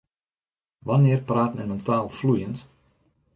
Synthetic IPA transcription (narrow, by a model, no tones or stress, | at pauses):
ʋanɪərpraːtmɛnəntaːlˠflujənt